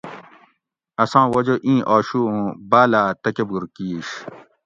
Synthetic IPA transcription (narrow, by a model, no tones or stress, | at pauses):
ɐsãːwɐd͡ʑoʔĩːʔaːɕuũːbaːlaːt̪ɐkebuɾkiːɕ